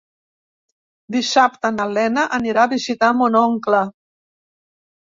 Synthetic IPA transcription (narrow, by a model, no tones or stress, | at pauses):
d̪isap̚t̪ənəlɛnəʔəniɾaːβizit̪amunɔŋklə